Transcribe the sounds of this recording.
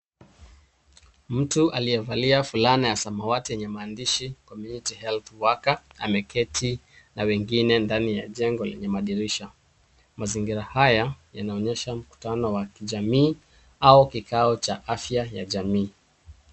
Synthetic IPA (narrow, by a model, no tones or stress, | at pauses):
m̩tuʔaliɛvaliafulanajasamawatijɛɲɛmaːndiʃikɔmjunitihɛlθwakaa̰mɛkʰɛtʰi | nawɛŋɡinɛndanija̰ʄɛŋɡɔlɛ̰ɲɛmaɗiɾiʃa | maziŋɡiɾahajajanaɔɲɛʃam̩ku̥tanɔwakiʄamiː | aukikʰaɔt͡ʃaʔafjajaʄamiː